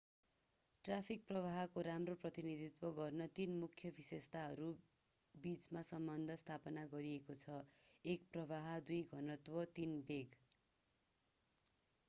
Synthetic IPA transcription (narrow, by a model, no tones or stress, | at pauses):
ʈrapʰik̚prʌβaɦʌkoɾamroprʌt̪inid̪ʱit̪wʌɡʌrnʌt̪inmukʰjʌbʱisest̪aɦʌɾu | bit͡smasʌmbʌnd̪ʱʌst̪ʰapʌnaɡʌɾiekot͡sʰʌek̚prʌβaɦʌd̪ujɡʱʌnʌt̪wʌt̪inbeɡ